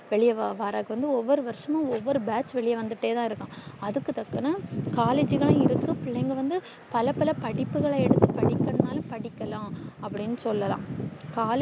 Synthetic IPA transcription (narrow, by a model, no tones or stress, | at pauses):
ʋɛɭɪjɐʋaʋaːɾaːkɐʋɐnd̪ɯɔʋːɔɾɯʋɐɾʂɐmʊ̃ɔʋːɔɾɯbaːt͡ʃʋɛɭɪjɐʋɐnd̪ɯʈːeːt̪ãːɪɾɯkːõːɐðɯkːɯt̪ɐkːɐnɐkaːleːd͡ʒɯɣɐɭɐ̃ɪɾɯkːɯpɪɭeŋɡɐʋɐnd̪ɯ | pɐlɐpɐlɐpɐɽɪpːɯɣɐɭɐɛɽɯt̪ːɯpɐɽɪkːɐnnaːlɐpɐɽɪkːɐlãːɐpːɐɽɪnːɯsɔlːɐlã̰ːkaːl